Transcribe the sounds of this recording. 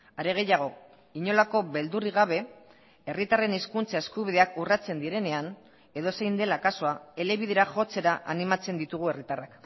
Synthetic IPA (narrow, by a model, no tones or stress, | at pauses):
aɾe̞ɣ̞e̞jaɣ̞o̞ | iɲo̞lako̞βe̞ld̪uriɣaβ̞e̞ | e̞rit̪are̞neskunt͡sae̞skuβiðe̞akurat͡se̞nd̪iɾe̞ne̞an | e̞ðo̞se̞jnd̪e̞lakaso̞ae̞le̞βiðe̞ɾaʝo̞t͡se̞ɾaʔanimat͡se̞nd̪it̪uɣ̞ue̞rit̪arak